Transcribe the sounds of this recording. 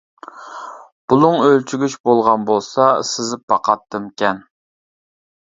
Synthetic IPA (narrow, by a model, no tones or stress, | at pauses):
b̥ulˠʊŋølt͡ʃʰyɡʲyt͡ʃbolˠʁɑnbolˠsɑsɪzpʰɑqʰɑt̪ʰːɨmkʲɛn